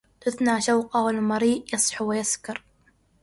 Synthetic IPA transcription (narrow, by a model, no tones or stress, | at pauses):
t̪ʊθnaʕʃawqawɪlmɑɾiːʔjɑsˤħuwɪjaskɑɾˤ